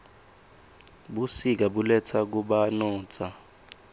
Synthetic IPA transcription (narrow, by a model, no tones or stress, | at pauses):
ɓusik̬aɓulɛt͡sʰak̬uɓanɔːt͡sʰa